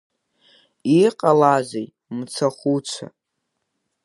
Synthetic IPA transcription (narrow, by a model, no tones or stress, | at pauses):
iqʼalazej | mt͡sʰaχʷut͡ʃʷʰa̰